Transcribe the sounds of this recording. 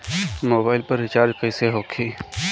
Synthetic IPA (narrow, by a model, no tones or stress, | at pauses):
moːbaːɪlpɐɾːɪt͡ʃaːɾd͡ʒqəːseɦoːkʰiː